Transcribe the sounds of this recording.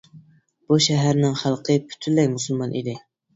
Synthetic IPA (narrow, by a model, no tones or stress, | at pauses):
b̥uʃæɦæɾnɪŋχælˠqʰəpʰy̥t̪ʰylːɛkʲmusulˠmɑnʔid̪ɪ